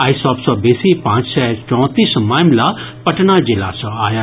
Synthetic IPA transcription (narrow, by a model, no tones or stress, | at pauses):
aːisɔbsɔbesipãːt͡ʃsɛt͡ʃɔ̃ːt̪iːsmaːmla | pɐʈnad͡ʒila̰sɔaːja